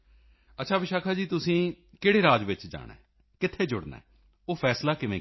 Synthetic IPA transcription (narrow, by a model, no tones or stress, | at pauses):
ətːʃʰaːʋɪʃaːkʰaːd͡ʒiːt̪ʊsĩː | keːɽeːɾaːd͡ʒʋɪt͡ʃd͡ʒa̰ːɽ̃a̰ɛː | kɪt̪ʰːeːd͡ʒʊɽna̰ːɛː | oːpʰɛːslaːkɪʋẽː